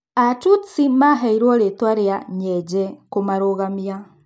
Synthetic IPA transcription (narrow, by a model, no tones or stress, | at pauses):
atut͡simaɦɛiɾwɔɾetwaɾeaɲɛd͡ʒɛkomaɾoɣamia